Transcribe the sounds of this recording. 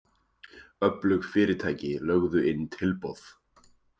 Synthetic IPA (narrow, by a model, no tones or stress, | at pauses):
œplʏxfɪːɾɪɾt̪ʰaːjcɪlœɣðʏɪnːt̪ʰɪlpoθ